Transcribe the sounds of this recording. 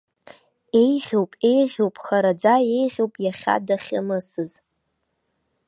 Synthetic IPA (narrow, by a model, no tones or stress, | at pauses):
e̞jʁʲowpʼe̞jʁʲowpʼχaɾad͡zaje̞jʁʲowpʼjaχʲa̰daχʲamɨsɨz